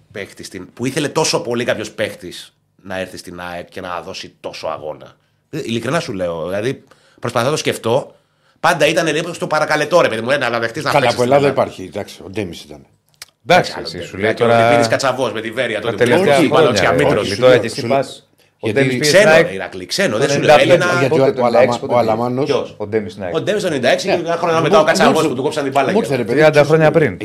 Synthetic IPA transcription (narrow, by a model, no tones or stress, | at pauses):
pext̪ist̪inpuiθele̞t̪o̞so̞po̞likɐpço̞spe̞xt̪is | nɐɾθist̪inɐekce̞nɐðo̞sit̪o̞soɐ̰ɣo̞̰nɐ̰ | ilikɾinɐsule̞oðilɐði | pɾo̞spɐθot̪osce̞ft̪o̞ | pɐnd̪ɐit̪ɐne̞lipost̪o̞pɐɾɐkɐle̞t̪o̞ɾe̞pe̞ðimunenɐlɐðext̪iznɐɐlɐspoelɐðɐipɐɾçid̪ɐksi̥od̪emisi̥t̪ɐne | d̪ɐkssisuleit̪oɾɐiiskɐt͡sɐvo̞smet̪iveɾiɐt̪uotipt̪eeoɐmiɾoit̪oɾɐesiɐ | od̪espikseneiɾɐ̰klḭksenoðesuleelinɐɐt | ɐlɐmɐnoosod̪emisnod̪emist̪oenenind̪ɐeksiɐxɾoɲmeɐokɐt͡sɐvosput̪ukopsɐnd̪ibɐlɐeɾep̪ɾiɐnd̪ɐxɾoɲɐpɾin